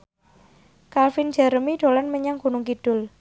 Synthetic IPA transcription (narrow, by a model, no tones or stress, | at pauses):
kalfɪnd͡ʒ̥a̤ɾəmiɖ̥o̤lanməɲaŋɡ̥ṳnʊŋkid̥ʊ̤l